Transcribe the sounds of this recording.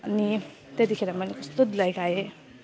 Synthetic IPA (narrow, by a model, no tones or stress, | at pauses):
ʌni | t̪et̪ikʰeɾamʌlekʌst̪od̪lajkʰaje